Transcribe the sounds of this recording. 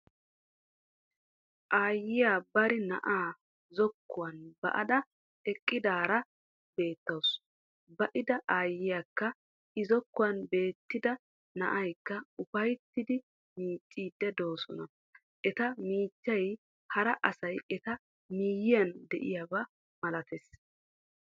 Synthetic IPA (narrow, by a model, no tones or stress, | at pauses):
ʔaːjːɪjaːbɐɾɪnɐ̰ʔaː | zɔkːʊwɐnbɐ̰ʔɐ̰d̪ɐ | ɛkʼːɪd̪aːɾɐ | b̥e̞ːt̪ːɐws | bɐʔɪd̪ɐʔaːjːɪjaːkːɐ | ɪzɔkːʊwɐnbe̞ːt̪ːɪd̪ɐ | nɐ̰ʔɐjkːɐʊfɐjt̪ːɪd̪ɪ | miːt͡ʃʼːiːd̪ːɛd̪o̞ːsɔnɐ | ʔɛt̪ɐmiːt͡ʃʼːɐj | hɐɾɐʔɐsɐjɛt̪ɐ | miːjɪjɐnd̪ɛ̰ʔɪjabɐ | mɐlɐt̪ʰɛs